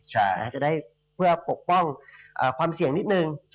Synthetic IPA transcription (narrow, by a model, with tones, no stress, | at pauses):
a˥˩t͡ɕa˨˩daː˥˩j | pʰɯ˥˩ɐpo˨˩k̚pɔ˥˩ŋʔaː˨˩kʰwaː˧msi˨˩əŋni˦˥t̪̚nɯ˨˧ŋ